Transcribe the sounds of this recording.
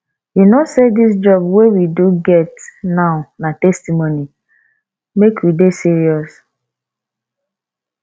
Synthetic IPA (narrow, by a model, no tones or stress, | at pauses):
junosedis̬d͡ʒɔbwewiduɡɛtnaʊnatɛstimoni | mekwidesiɾiɔs